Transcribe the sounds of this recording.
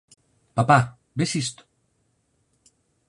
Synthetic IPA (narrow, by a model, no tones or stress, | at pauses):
papa | besist̪